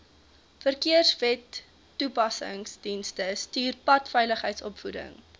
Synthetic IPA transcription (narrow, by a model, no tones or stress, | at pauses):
fərkiərsvɛtː | upɐsə̰ŋsd̥instəstyːrpɐtfɛjləχɦəjtsɔpfudə̰ŋ